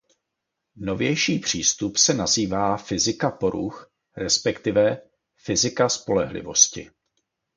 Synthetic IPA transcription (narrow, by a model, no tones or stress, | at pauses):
no̞vjɛjʃiːpr̝̥iːst̪upsɛnaziːvaːfɪzɪkapo̞ɾṵx | ɾɛspɛkt̪ɪvɛ | fɪzɪkaspo̞lɛɦlɪ̰vo̞scɪ̰